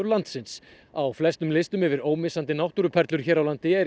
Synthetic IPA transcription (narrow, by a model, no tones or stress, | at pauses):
ɾlant̪sɪns | awflɛst̪ʏmlɪst̪ʏmɛvɪɾoːwmɪsant̪ɪnawht̪uɾʏpʰɛɾt̪lʏɾ̥çɛːɾawlant̪ɪɛ